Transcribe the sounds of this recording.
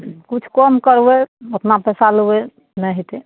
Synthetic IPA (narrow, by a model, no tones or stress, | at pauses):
kut͡ʃʰkɔmkəɾweot̪napɛsalowe | nəɦit̪e